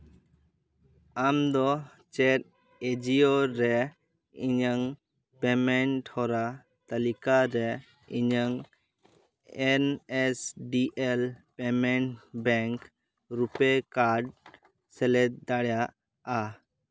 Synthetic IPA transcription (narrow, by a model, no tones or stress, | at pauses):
amd̪ɔ | t͡ʃɛɾ̚ | ed͡ʒioɾɛ | iɲəŋ | pɛmɛɳʈhɔɾa | t̪alikaɾɛ | iɲəŋ | ɛnɛsɖiʔɛlpɛmɛɳʈbɛŋk | ɾupɛkaɾɖ | sɛlɛt̪̚d̪aɽjaʔ | a